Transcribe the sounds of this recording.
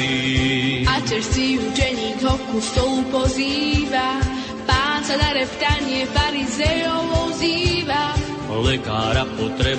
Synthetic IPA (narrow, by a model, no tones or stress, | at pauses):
i | at͡ʃɛʃt͡siːud͡ʒɛɲiːɡ̪ɦɔkːust̪ɔlupɔziːva | paːnsad̪aɾɛpt̪aɲɪɛfaɾizɛjɔvɔwziːva | ɔlɛkaːɾapɔt̪ɾɛ